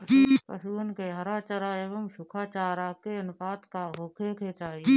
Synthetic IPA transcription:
pə̰suːnkeɦɐɾaːt͡ʃəɾaːeːʋəmsʊkʰaːt͡ʃaːɾakeɪnfaːt̪kaɦoːkʰekʰeːt͡ʃaːi

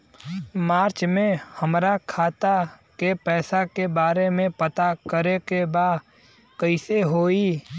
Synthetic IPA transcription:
maːɾt͡ʃmẽhəmɾakʰaːt̪a | kepɛːsakebaːɾemẽpət̪akəɾekebaː | kəɪseɦoːi

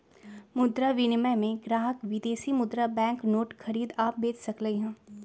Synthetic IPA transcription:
mʊd̪ɾaʋɪnɪməmẽɡɾaːɦəkʋɪd̪eːsimʊd̪ɾabɛ̃ːŋknoːʈxɐɾiːd̪aːp̚beːt͡ʃsɐkləiɦɛ̃ː

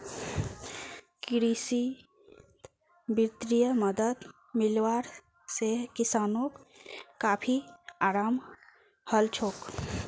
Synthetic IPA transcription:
kɪɾisi | bit̪ɾijəməd̪əd̪ | mɪlwaːɾ | sekɪsaːnõkkaːpʰiaːɾaːm | həlt͡ʃʰoːk

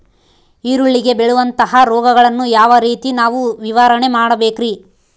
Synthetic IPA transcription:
iːɾuɭːiɡe̞beɭuʋɐnt̪ɐɦɐɾɔːɡɐɡɐɭɐnːujaːʋɐɾiːt̪inaːʋuʋiʋɐɾɐɳe̞maːɽɐbe̞ːkɾi

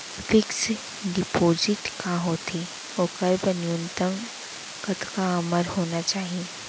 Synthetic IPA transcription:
fɪks | ɖɪpoːzɪʈkaɦoːt̪ʰi | oːkəɾbɐnjunt̪əŋ | kət̪kaɐməɾhoːnat͡ʃaːɦie

